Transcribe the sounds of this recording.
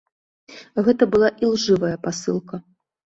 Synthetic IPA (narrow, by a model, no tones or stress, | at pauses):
ɣɛt̪ɐbɨlˠaʔilˠʐɨvɐjɐpasɨlˠkɐ